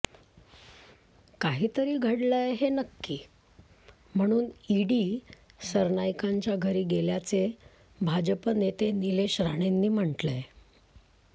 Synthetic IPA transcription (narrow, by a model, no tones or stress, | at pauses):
kaɦiːt̪əɾiːɡʱəɽləjɦenəkːiː | m̤əɽ̃uːniɽiːsəɾnajkaɲt͡ɕjaɡʱəɾiːɡeljat͡se | bʱad͡ʑəpənet̪enileɕɾaɽ̃enːiːm̤əɳʈlej